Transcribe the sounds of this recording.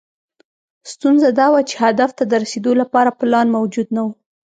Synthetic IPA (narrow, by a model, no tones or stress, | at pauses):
st̪unzad̪ɑwat͡ʃe̥had̪aft̪ad̪əɾased̪olapɑɾaplɑnmawd͡ʒud̪nawu